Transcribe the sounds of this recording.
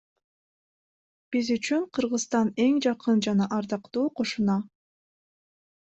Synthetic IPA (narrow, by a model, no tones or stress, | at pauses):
b̥izyt͡ʃyɴqʰɯɾʁɯst̪ɑne̞ŋd͡ʒɑqɯnd͡ʒɑnɑʔɑɾd̪ɑqt̪uːqʰo̞ʃunɑ